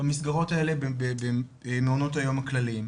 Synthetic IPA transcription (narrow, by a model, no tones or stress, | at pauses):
amisɡaʁo̞tae̞lebebebemeono̞thajo̞maklalim